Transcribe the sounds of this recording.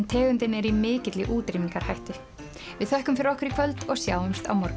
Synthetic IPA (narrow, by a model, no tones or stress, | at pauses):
nt̪ʰɛːɣʏnt̪ɪnɛɾimɪːcɪt̪lɪʔuːt̪ɾimiŋkaɾ̥hajht̪ʏ | vɪðθœhkʏmfɪɾɪɾɔhkvɪɾikʰvœlt̪ɔɣsjaːwʏmst̪a̰wmɔɾk